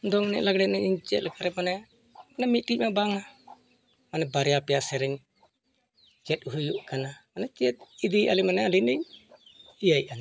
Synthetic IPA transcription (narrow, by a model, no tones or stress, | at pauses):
d̪ɔŋnɛ̰ʔlaɡɽɛnɛiɲt͡ʃɛ̰t̪lɛkaɾɛmanɛ | manɛmit̪̚ʈimabaŋna | manɛbaɾɛjapijasɛɾɛɲ | t͡ʃɛt̪̚uɦujuʔkanamanɛt͡ʃiɛt̪̚id̪iʔa̰limanɛlinɛɲ | ijaijana